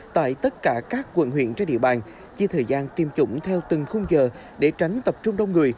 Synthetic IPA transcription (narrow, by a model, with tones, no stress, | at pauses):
t̪a̰ː˧˨jt̪ə˦˥t̚kaː˧˩kaː˦˥k̚ːwə̰˧˨nhwḭ˧˨ənt͡ɕa˧ɗḭ˧˨əɓaː˨˩n | t͡ɕi˧t̪ʰəː˨˩jzaː˧nt̪i˨˩mt͡ɕʊ̰˧˥ŋ͡mt̪ʰɛ˧wt̪ɨ˨˩ŋxʊ˧wŋ͡mzəː˨˩ | ɗe˧˩t͡ɕa˨˦jŋ̟t̪ə˨˩p̚t͡ɕʊ˧ŋ͡mɗwŋ͡mŋɨ˨˩əj